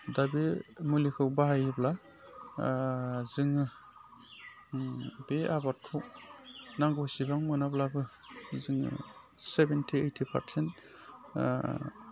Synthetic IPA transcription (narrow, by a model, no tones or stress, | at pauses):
dabimulikʰɯw̚baɦajibla | zɯŋɯ | beabat̚kʰuw̚naŋɡusibaŋmɯnablabɯ | zɯŋɯ̰ | sebentʰiejtʰipʰa̰ɾsent